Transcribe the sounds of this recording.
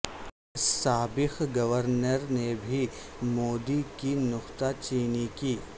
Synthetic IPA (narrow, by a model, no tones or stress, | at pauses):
saːbɪqɡɐʋəɾnəɾnebʱi | moːd̪ikinʊqt̪at͡ʃiːnikiː